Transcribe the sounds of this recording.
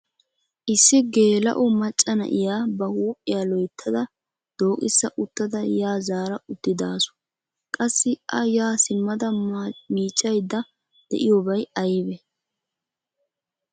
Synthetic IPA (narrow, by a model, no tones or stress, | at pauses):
ʔɪsːɪɡe̞ːlɐ̰ʔʊmɐt͡ʃʼːɐnɐ̰ʔɪjaːbɐhuːpʼːɪjalɔjt̪ʰːɐd̪ɐ | d̪̥oːkʼɪsːɐʔʊt̪ːɐd̪ɐjaːzaːɾɐʔʊd̪̥ːɪd̪aːsʊ̥ | kʼɐsːɪʔɐjaːsɪmːɐd̪ɐmiːt͡ʃʼːɐjd̪ːɐ | d̪̥ɛ̰ʔɪjoːbɐjɐjbɛ